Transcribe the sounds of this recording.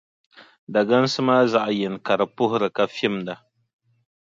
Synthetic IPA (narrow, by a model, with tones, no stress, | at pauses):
da˨ɡa˦n˦sɨ˦maː˦za˨ʔjɛ˨n˨ka˨ɾɨ˨pʊ˦hʊ˦ɾɨ˨ka˨fi˦mda˨